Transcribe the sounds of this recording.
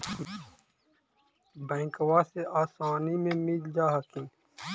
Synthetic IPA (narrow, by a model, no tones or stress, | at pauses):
bɐ̃ːŋkwaːseʔaːsaːnimẽːmild͡ʒaːɦɐkĩ